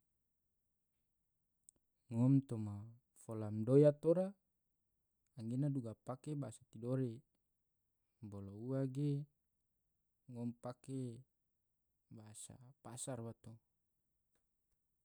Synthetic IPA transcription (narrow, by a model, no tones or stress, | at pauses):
ŋɔmt̪oma | folamdojat̪oɾa | ŋɡenaduɡapakebaasat̪idoɾe | bolouwaɡe | ŋɔmpake | baasa̰pasarwat̪o